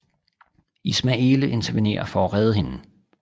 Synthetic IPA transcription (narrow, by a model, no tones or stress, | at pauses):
ismæe̝ːləʔe̝nt͡sʰɐʋine̝̰ːɐfɒɒʁɛð̞ˠəɦe̝n